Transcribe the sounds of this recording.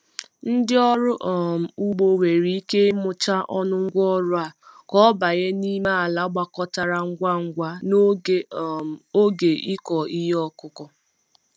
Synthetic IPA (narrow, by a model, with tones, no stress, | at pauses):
n̩˦dɪ˦ɔ˦ɾʊ˦ʔɔ˨m̩˨u˦ɡ͡bo˨we˨ɾi˨i˦ke˦mʊ˦t͡ʃa˦ʔɔ˦nʊ˦ŋ̩˦ɡʷɔ˦ɾʊ˦a˨kɔ˦ba˨ɣe˦ni˦ma˦a˨la˦ɡ͡ba˦kɔ˦ta˦ɾa˦ŋ̩˦ɡʷa˦ŋ̩˦ɡʷa˦ | o˦ɡe˨ʔi˦kɔ˨i˦ɦe˦ɔ˦kʊ˦kɔ˦